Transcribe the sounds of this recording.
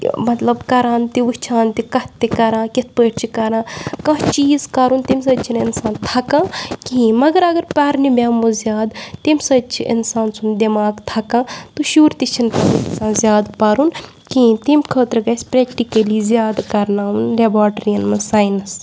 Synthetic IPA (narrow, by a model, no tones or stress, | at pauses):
mɐt̪lɐbkɐɾãːnt̪iʋut͡ʃʰãːnt̪ikɐt̪ːikɐɾãːkit̪̚ʰpəːʈt͡ʃʰikɐɾãːkɐ̃ɦt͡ʃiːzkɐɾunt̪ims̬ɐt͡ʃʰininsaːnt̪ʰɐkãːkĩmɐɡɐɾɐɡɐɾpaːɾnibʲjaːmuzjaːd̪t̪imʲsɐd̪t͡ʃʰiʔḭnsaːnsʰund̪emaːɡt̪ʰakãːt̪oʃuːɾt̪it͡ʃʰinp̪ɐisãːnzjaːd̪pɐɾun | kĩt̪imʲkʰəːt̪ɾɐɡɐsʲpɾekʈikɐlizjaːd̪kɐɾnaːunlabaːʈɐɾijɐnmɐsaːjnɐs